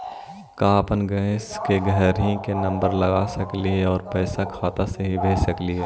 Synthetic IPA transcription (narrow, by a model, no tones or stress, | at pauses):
kaːpənɡə̃skeɡʱəɾɦĩkenɐ̃mbəɾlɐɡaːsɐkliɦeɔːɾpɛːsakʰaːt̪aseɦibʱeːsɐkliɦɛː